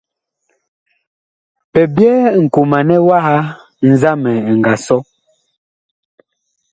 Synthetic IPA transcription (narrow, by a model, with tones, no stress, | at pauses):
pɛ˨bjɛ˦˨ŋ̩˨ko˨ma˨nɛ˦wa˦ha˦ | n̩˦za˦mɛ˨ŋ̩˨ɡa˨sɔ˦